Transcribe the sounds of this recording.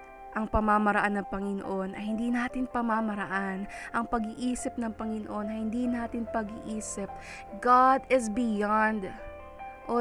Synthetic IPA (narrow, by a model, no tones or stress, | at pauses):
ʔɐŋpɐmamɐɾɐʔanːɐŋpɐŋɪno̰ʔo̞nʔɐjhɪnd̪iːnaːt̪ɪnpɐmamɐɾɐʔanʔɐŋpɐɡɪʔiːsɪp̚nɐŋpɐŋɪnoʔo̞nɐjhɪnd̪iːnaːt̪ɪnpɐɡɪʔiːsɪp̚ | ɡad̪ɪsbɪjand̪ | ʔo